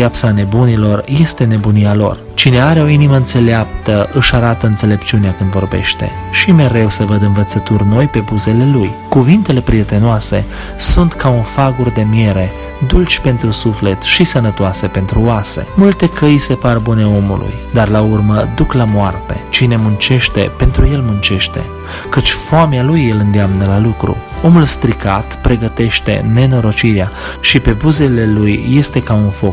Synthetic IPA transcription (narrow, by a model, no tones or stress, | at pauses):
apsane̞bunilo̞rje̞st̪e̞ne̞bunialo̞̰r | t͡ʃine̞aɾeo̞iniməɨnt̪se̞leap̚t̪əɨʃaɾat̪əɨnt̪se̞le̞pt͡ʃuneakɨnd̪vo̞rbe̞̰ʃt̪e̞̰ | ʃime̞ɾe̞wsəvəd̪ɨnvət̪sət̪urʲno̞jpe̞buze̞le̞lujkuvint̪e̞le̞pɾie̞t̪e̞noase̞ | sunt̪kaunfaɡurd̪e̞mje̞ɾe̞ | d̪ult͡ʃʲpe̞nt̪ɾusufle̞t̪ʃisənət̪oase̞pe̞nt̪ɾuoasḛmult̪e̞kəjse̞parbune̞o̞mṵlṵjd̪arlaurməd̪uklamoart̪e̞t͡ʃine̞munt͡ʃe̞ʃt̪e̞pe̞nt̪ɾuje̞lmunt͡ʃe̞ʃt̪e̞̰ | kət͡ʃʲfoamealujːelɨnd̪eamnəlalukɾṵ | o̞mulst̪ɾikat̪pɾe̞ɡət̪e̞ʃt̪e̞̰ne̞no̞ɾo̞t͡ʃiɾea | ʃipe̞buze̞le̞lujːe̞st̪e̞kaunfo̞k